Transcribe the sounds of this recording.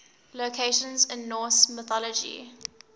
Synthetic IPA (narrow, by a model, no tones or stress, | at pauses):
lokʰeʃə̃nzɪ̃nːɔːsmɪθɔləd͡ʒḭ